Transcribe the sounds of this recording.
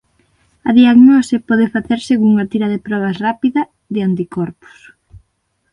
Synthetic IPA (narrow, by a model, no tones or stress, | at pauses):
ɐðiaɣnɔsɪpɔðɪfaθeɾseɣuŋɐt̪iɾɐðɪpɾɔβ̞ɐsrapiðɐ | ðɪant̪̬ikɔɾpʊ̥s